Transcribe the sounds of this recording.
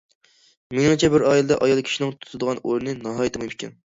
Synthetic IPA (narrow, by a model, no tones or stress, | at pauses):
mɪŋɨŋt͡ʃʰɛbɪɾɑːjilˠɨd̪ɑʔɑjɑlˠkʲʰi̥ʃinɪŋt̪ʰu̥t̪ʰɨd̪əʁɑnʔoɾɨnɨnɑɦɑːjit̪ʰɨmɨmkʲʰɛ̰n